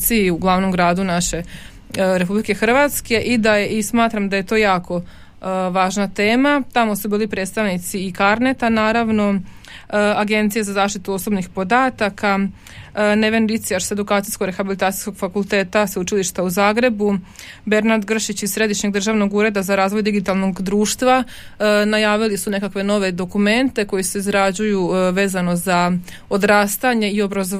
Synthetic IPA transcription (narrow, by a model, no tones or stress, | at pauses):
t̪siiuɡlˠaːʋno̞mɡɾaːd̪unaʃe̞ | ɾe̞publikexr̩ʋat̪ske̞ʔid̪ajeʔismaːt̪ɾamd̪ajet̪o̞ːjaːko̞ | ʋaːʒnat̪e̞ːmat̪amo̞subiːlipɾe̞ːd̪st̪aʋnit̪siːkaɾne̞t̪anaːɾaʋno̞ | aɡe̞nt̪sijazazaːʃt̪it̪uo̞sobnixpo̞d̪aːt̪aka | ne̞ʋe̞nɾit̪sijaɾse̞d̪ukaːt̪sijskoɡɾe̞xabilit̪aːt̪i̥jsko̞ɡ̥fakulˠt̪e̞ːt̪asut͡ʃiliʃt̪auzaːɡɾe̞bu | be̞ɾnad̪ɡr̩ʃit͡ɕizsɾe̞d̪iʃɲe̞ɡ̚d̪r̩ʒaːʋno̞ɡuːɾe̞d̪azaɾaːzʋo̞jd̪iɡit̪alˠno̞ɡd̪ɾuːʃt̪ʋa | najaːʋilisune̞kakʋe̞no̞ʋe̞d̪o̞kume̞nt̪e̞ko̞jise̞izɾad͡ʑujuʋe̞ːzano̞za | o̞d̪ɾaːst̪aɲe̞io̞bɾazo